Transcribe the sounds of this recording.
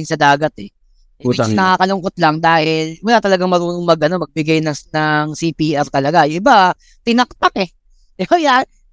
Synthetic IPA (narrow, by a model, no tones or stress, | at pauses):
ɪŋsɐd̪aːɡɐt̪ɛ | snɐkaːkɐlʊŋkot̪̚lɐŋd̪aːhɪlmʊlat̪ɐlɐɡaŋmɐɾuːnoŋmɐɡʔɐno̞mɐɡ̚bɪɡajnɐŋnɐŋsipiːʔɛɾt̪ɐlɐɡaʔɪba | t̪ɪnɐk̚t̪akɛ | ʔoja